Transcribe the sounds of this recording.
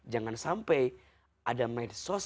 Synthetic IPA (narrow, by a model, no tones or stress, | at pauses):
d͡ʒaŋansampɛj | ʔadamɛdsos